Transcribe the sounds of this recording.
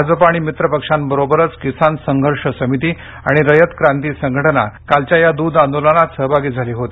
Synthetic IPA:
d͡zəpaɽ̃imit̪ɾəpəkʂambəɾobəɾət͡skisansəŋɡʱəɾʂəsəmit̪iː | aɽ̃iɾəjət̪kɾãnt̪iːsəŋɡʱəʈəna̰kalt͡ɕjajad̪uːd̪ãnd̪olənat̪səɦbʱaɡiːd͡zʱaliːɦot̪i

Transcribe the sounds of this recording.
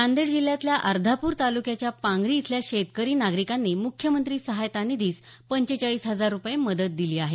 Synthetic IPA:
and̪eɽd͡ʑilːjat̪ljaʔəɾd̪ʱapuːɾt̪alukjat͡ɕjapãŋɡɾiːt̪ʰljaɕet̪kəɾiːnaɡɾikanːiːmukʰːjəmənt̪ɾiːsəɦajt̪anid̪iːs | pəɲt͡ɕet͡ɕaɭiːsɦəd͡zaɾːupjeməd̪ət̪̚d̪iliːaɦe

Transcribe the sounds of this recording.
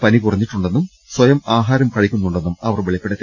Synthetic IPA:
pɐnikurɐɲːiʈːuɳɖenːum | swɐjɐmaːɦaːɾɐmkɐɻikʲːunːuɳɖe̞nːumɐʋɐrʋeɭɐjpːeɽet̪ː

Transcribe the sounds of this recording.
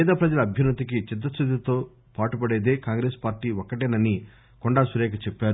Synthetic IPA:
ɛːd̪ɐpɾɐd͡ʒɐlɐɐbʱjɐnɐt̪ikit͡ʃid̪ːɐst̪ʰud̪it̪o̞ː | paːʈupɐɽeːd̪eːkaːŋɡɾeːspaːɾʈiːwɔkːɐʈeːnɐnːi | kɔɳɖaːsuɾeːkɐt͡ʃɛpːaːɾu

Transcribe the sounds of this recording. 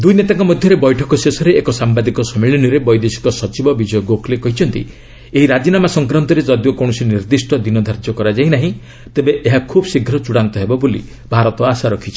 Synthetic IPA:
d̪ujnet̪aŋkɔmɔd̪ʱjɔɾebɔjʈʰɔkɔsesɔɾeekɔsambad̪ikɔsɔmiɭinɔɾebɔjd̪esi̥kɔsɔt͡ʃibɔbid͡ʒɔjɔɡoklekɔɦit͡ʃʰɔnt̪ḭ | eɦiɾad͡ʒinamasɔŋkɾɔnt̪ɔɾed͡ʒɔd̪jokɔɳ̃ɔsiniɾd̪isʈɔd̪inɔd̪ʱaɾd͡ʒɔkɔɾad͡ʒainaɦĩ | t̪ebeʔeɦakʰubsiɡʱɾɔt͡ʃuɽant̪ɔɦebɔbulḭ | bʱaɾɔt̪ɔasaɾɔkʰit͡ʃʰi̥

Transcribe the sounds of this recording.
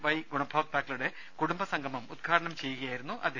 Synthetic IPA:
ʋɐjɡuɳɐbʱoːɡ̚baːkːiluɽe̞ | kuɽumbɐsɐŋɡʱɐmɐmud̪̚ɡʰʱaːɾɐɳɐmt͡ɕe̞jːuɣɐjaːjiɾunːuʔɐ̰d̪ʱe

